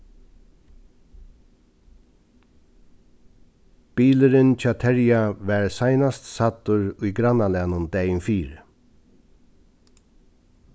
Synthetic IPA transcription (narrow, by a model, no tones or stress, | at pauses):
b̥iːlɪɾɪnt͡ʃʰaːt̪ʰɛɹjaʋɛɹsajnast̪sat̪ʊɹʊjɡɾanːalæːnʊnd̪ɛːjɪnfiːɾ